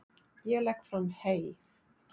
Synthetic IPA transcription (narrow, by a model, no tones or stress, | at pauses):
jɛlɛkːfɾamhej